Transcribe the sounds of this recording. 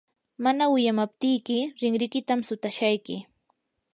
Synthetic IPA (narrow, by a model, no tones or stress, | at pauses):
manawɪjamap̚t̪ɪjkɪɾɪŋɾɪkɪt̪amsʊt̪aʃajkɪ